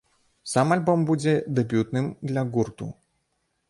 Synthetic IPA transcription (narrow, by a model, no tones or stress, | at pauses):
samalʲbɔmbud͡zʲɛd̪ɛbʲjut̪nɨmd̪lʲɐɣurt̪ṵ